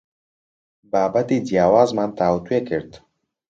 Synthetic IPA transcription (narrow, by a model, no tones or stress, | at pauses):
baːbɐt̪id͡ʒjaːwaːzmaːnt̪ʰaːwut̪weːkɨɾd̪